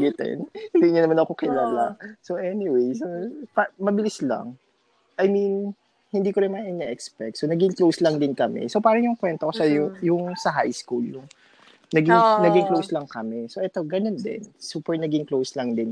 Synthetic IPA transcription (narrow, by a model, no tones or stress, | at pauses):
ɡɪt̪ɛ̰nhɪnd̪iɲʊnɐmanɐkokɪlaːlaʔsoʔɛniwejsopɐmɐbɪlɪslɐ̰ŋ | ʔɐjmin | hɪnd̪iːkoɾɪnmɐʔɪnɛʔɛkspɛk̚t̪sonɐɡɪŋklowslɐŋd̪ɪnkɐmɛ̰sopaːɾɐŋjʊŋkwɛnt̪okosɐjjʊŋsɐɦajskuljʊŋ | nɐɡɪŋnɐɡɪŋklowslɐŋkɐmɛsoʔɛt̪oɡɐnond̪ɪ̰nsupɛɹnɐɡɪŋklowslɐŋd̪ɪn